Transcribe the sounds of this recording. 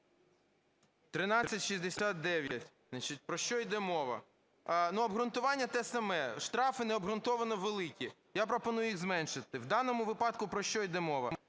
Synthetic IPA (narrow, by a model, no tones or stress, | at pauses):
t̪ɾɪnɑːɐtʲʃizʲd̪esʲat̪̚d̪ɛʋʲjɐtʲ | nɐt͡ʃit̚ʲpɾɔʃt͡ʃɔjd̪ɛmɔʋɐ̰ | nuɐbɦɾʊnt̪ʊʋɑnʲːɐt̪ɛsɐmɛʃt̪ɾɑfɪnɛɔbɦɾʊnt̪ɔʋɐnɔʋelˠɪkʲi | japɾɔpɔnujʊjiɣzmɛnʃɪt̪ɪwd̪ɑnɔmʊʋɪpɑd̪kʊpɾɔʃt͡ʃɔjd̪ɛmɔʋɐ̰m